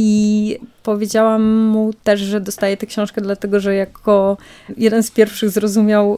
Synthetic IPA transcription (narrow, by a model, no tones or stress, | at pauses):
ipɔvʲjed͡ʑawamːut̪ɛʐʐɛd̪ɔst̪ajɛt̪ɛkɕɔ̃w̃ʂkɛd̪lat̪ɛɡɔʐɛjakʰɔjɛd̪ɛnspʲjɛɾfʂɘɣzɾɔzumʲjaw